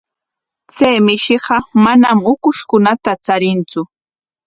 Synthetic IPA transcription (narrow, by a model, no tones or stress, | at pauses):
t͡sajmɪʃɪɢɑmanamʊkʊʃkʊnat̪at͡saɾɪnt͡sʊ